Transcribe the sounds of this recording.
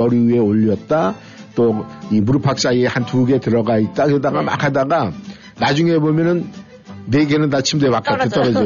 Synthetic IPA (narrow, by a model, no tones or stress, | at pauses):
ʌɾiie̞oʎːʌt̚t͈a | t͈oimuɾɯpʰak̚s͈aiehantuɡe̞tɯɾʌɡait̚t͈akɯɾedaɡama̰kʰadaɡa | nad͡ʑuŋebomjʌnɯnː | eɡenɯnːat͡ɕʰimdemakʰʌt͈et͈ʌɾʌd͡ʑʌ